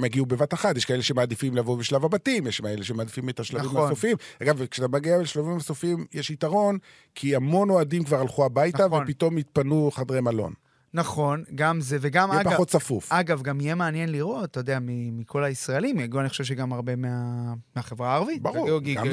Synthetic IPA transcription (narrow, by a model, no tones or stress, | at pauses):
maɡiube̞vataχat̪jeʃkaeleʃemaːd̪ifimlavobeʃlavabatimjeʃmaeleʃemaːd̪ifimet̪aʃlavimasofimaɡavkʃat̪amaɡiabelʃlavimasofimjeʃit̪aʁo̞n | kʰiamo̞no̞adimkvaʁalχuabajtavepit̪o̞mit̪̚panuχad̪ʁemalo̞̰n | naχo̞nɡamzeveɡamjeaɡpaot̪safufaɡavɡamijemeanjenliʁo̞tːjod̪eamimikʰo̞laisʁaelimaɡuanixχo̥ʃevʃeɡamaʁbe̞meameaχevʁaːʁavit̪baʁuɡiɡa